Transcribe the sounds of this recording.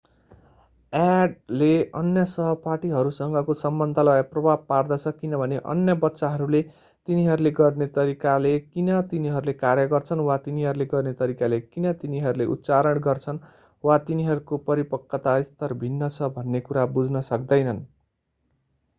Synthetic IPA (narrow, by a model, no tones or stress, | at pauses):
aɖleʌnjʌsʌɦʌpaʈiɦʌɾusʌŋɡʌkosʌmbʌnd̪ʱʌlʌaprʌbʱab̚pard̪ʌt͡sʰʌkinʌbʱʌneʔʌ̰njʌbʌt̪ːsaɦʌɾule | t̪iniɦʌɾuleɡʌrnet̪ʌɾikalekinʌt̪iniɦʌɾulekaɾjʌɡʌrt͡sʰʌnwat̪iniɦʌɾuleɡʌrnet̪ʌɾikalekinʌt̪iniɦʌɾuleʔṵt̪ːt͡saɾʌɽɡʌrt͡sʰʌn | wat̪iniɦʌɾukopʌɾipʌkːʌt̪aist̪ʌrbʱinːʌt͡sʰʌbʱʌnːekuɾabud͡znʌsʌk̚d̪ʌjnʌn